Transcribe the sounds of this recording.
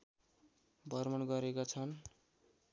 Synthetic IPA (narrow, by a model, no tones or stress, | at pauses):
bʱʌrmʌnɡʌɾekot͡sʰʌn